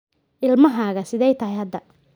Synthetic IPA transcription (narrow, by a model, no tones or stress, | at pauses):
ʔɪlmɐɦaːɣɐsɪðɛjt̪ʰɐɦɛjhɐd̪ːɐ